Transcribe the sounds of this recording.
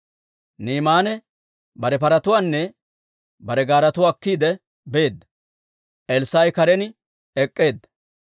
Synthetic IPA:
niːmaːnɛ | bɐɾɛpɐɾɐt̪ʊwaːnːɛ | bɐɾɛɡaːɾɐt̪ʊwaːkːiːd̪ɛ | be̞ːd̪ːɐ̥ | ʔɛlsaːjkɐɾɛn | ɛkʼːe̞ːd̪ːɐ̥

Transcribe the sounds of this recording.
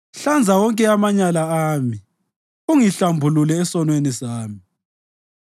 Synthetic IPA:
ɬand͡zʱawɔŋkʼɛamaɲalaaːmi | uŋiɬambʱululɛːsɔnwenisaːmi

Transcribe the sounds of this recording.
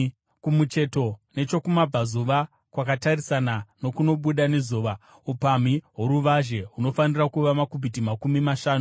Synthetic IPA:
kumut͡ʃe̞to̞ne̞t͡ʃo̞kumab͡vazuʋa | kwakatarisanano̞kuno̞ɓuɗane̞zuːʋa | upamiɦoɾuʋaʒe̞ɦuno̞fanirakuʋamakubʱitimakumimaʃaːnu

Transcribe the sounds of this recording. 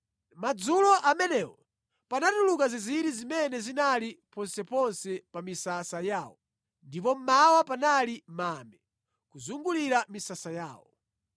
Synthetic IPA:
mad͡zulɔʔamɛnɛwɔ | panatulukaziziɾizimɛnɛzinalipɔnsɛpɔnsɛpamisasajaːwɔ | ndip̬ɔm̩mawapanalimamɛ | kuzuŋɡuliɾamisasajaːwɔ

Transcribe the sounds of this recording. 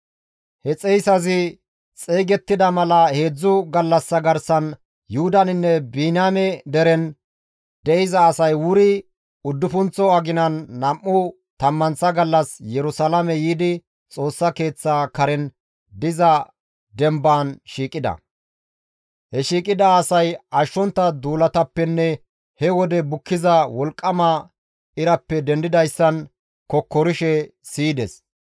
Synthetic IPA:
hɛt͡sʼɛjsɐzɪ | t͡sʼeːɡɛt̪ːɪd̪ɐmɐlɐhe̞ːd͡zːʊɡɐlːɐsːɐɡɐɾsɐn | jʊhʊd̪ɐnɪnːɛbiːnaːmɛd̪ɛɾɛn | d̪ɛɪzɐːsɐjwʊɾɪ | ʊd̪ːʊfʊnt͡sːɔɐɡɪnɐnːɐmːʊ | t̪ɐmːɐnsɐɡɐlːɐsjɛɾʊsalɐmɛjiːd̪ɪ | t͡sʼo̞ːsːɐke̞ːt͡sːaːkɐɾɛn | d̪ɪzɐ | d̪ɛmbaːnʃiːkʼɪd̪ɐ̰ | hɛʃiːkʼɪd̪ɐːsɐjɐʃːɔnt̪ːɐd̪uːlɐt̪ɐpːɛnːɛ | hɛwɔd̪ɛbʊkːɪzɐwɔlkʼːɐmɐ | ɪɾɐpːɛd̪ɛnd̪ɪd̪ɐjsːɐn | kɔkːɔɾɪʃɛ | siːd̪ɛs

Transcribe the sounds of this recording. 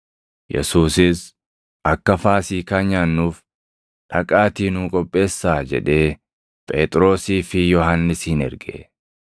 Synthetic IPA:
jɛ̰suːsɪs | ʔɐkːɐfaːsiːkɐɲːaːnːuːf | ᶑɐkʼaːt̪iːnuːkʼɔpʼːe̞ːsːaːd͡ʒɛ̰ᶑe̞ː | pʼḛːt̪ʼɾo̞ːsiːfɪjɔɦɐnːɪshɪnɛ̰ɾɡḛ

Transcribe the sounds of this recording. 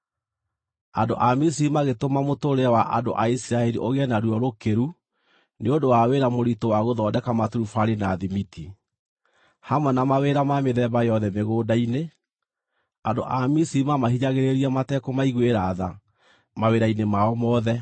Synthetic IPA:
ando̰ʔamisiimaɣetomamotoɾeawaʔando̰ʔaisiɾaɛɾiʔoɣeɛnaɾuɔɾokeɾu | neondowaweɾamoɾitowaɣoðɔdɛkamatuɾufaɾinaðimiti | hamwɛnamaweɾamameðɛbajɔðɛmeɣoːdaine | ando̰ʔamisimamahiɲaɣeɾeɾiamatɛkomaiɣweɾaða | maweɾainemaɔmɔːðɛ

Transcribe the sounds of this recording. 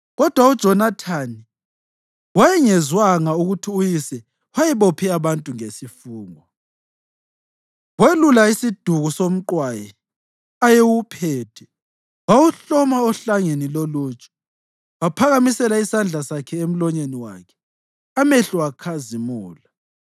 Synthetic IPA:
ɣɔd̥ʱwaud̥ʒ̥ʱɔnatʰani | wajɛŋɛzwaŋauɣutʰiujisɛ | wajɛβopʰiaβantʼuŋesifuːŋɔ | welulaisid̥ʱuɣusom̩ǃwajɛ | ajewupʰɛːtʰɛ̥ | wawuɬɔmaɔɬaŋeniloluːt͡ʃʼɔ̥ | wapʰaɣamisɛlaisand͡ɮʱasakʰɛem̩lɔɲeniwa̰kʰɛ̥ | ameɬuwakʰazimuːla

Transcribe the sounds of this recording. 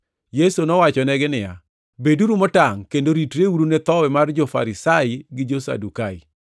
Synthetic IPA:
jesonɔwat͡ʃɔnɛɡɪnɪja̰ | beduɾumɔtaŋkendoɾitɾewuɾunet̪ɔwɛmard͡ʒɔfa̰ɾɪsaiɡɪd͡ʒosa̰dukai

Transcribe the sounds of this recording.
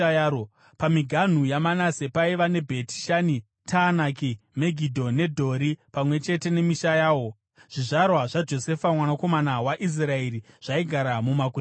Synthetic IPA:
jao | pamiɡʱan̤ujamanase̞paiʋane̞bʱe̞ti̥ʃani | tʰaːnakime̞ɡʱidʱo̞ne̞dʱo̞ɾipamwe̞t͡ʃe̞te̞ne̞miʃajaːwo̞ | ʐ̥iʐarwaʐad͡ʒo̞se̞famwanako̞manawaʔis̬rae̞ɾiʐ̥aiɡʱaɾamumaku

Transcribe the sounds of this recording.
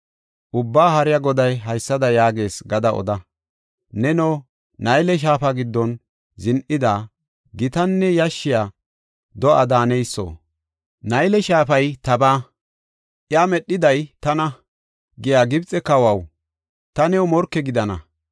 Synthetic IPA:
ʔʊbːaːɦɐɾɪjaɡɔd̪ɐjɦɐjsːɐd̪ɐjaːɡe̞ːsɡɐd̪ɐɔ̰d̪ɐ | nɛnoː | nɐjlɛʃ̬aːfɐɡɪd̪ːɔn | zɪnʔɪd̪aː | ɡɪt̪ɐnːɛjɐʃːɪjaː | d̪ɔʔɐ̰d̪aːnɛjsːo̰ː | nɐjlɛʃaːpɐjt̪ɐbaː | ʔɪjaːmɛɗːɪd̪ɐjt̪ɐnɐ | ɡɪjaːɡɪbt͡sʼɛkɐwɐw | t̪ɐnɛwmɔɾkːɛɡɪd̪ɐnɐ̰

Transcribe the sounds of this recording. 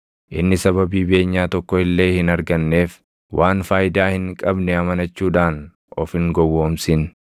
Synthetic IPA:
ʔɪnːɪsɐβɐbiːbeːɲːaːt̪ɔkːɔɪlːe̞ːhɪnɐɾɡɐnːe̞ːf | wʔaːnfaːjɪd̪aːhɪŋkʼɐbnɛɐmɐnɐt͡ʃːuːᶑaːn | ʔɔfɪŋɡɔwːoːmsɪn

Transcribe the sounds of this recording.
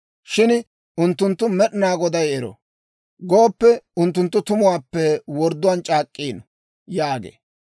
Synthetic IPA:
ʃɪn | ʊnt̪ːʊnt̪ːʊmɛɗɪnaːɡɔd̪ɐjɛɾɔ̰ | ɡoːpːɛʊnt̪ːʊnt̪ːʊt̪ʊmʊwaːpːɛwɔɾd̪ːʊwaːnt͡ʃʼaːkʼːiːnɔ | jaːɡḛː

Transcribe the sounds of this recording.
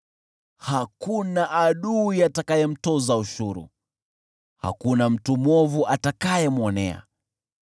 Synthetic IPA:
hakunaʔaɗuiatakajɛm̩tɔzauʃuɾṵ | ha̰kunam̩tumwɔvuʔatakajɛmwɔnɛ̰a̰

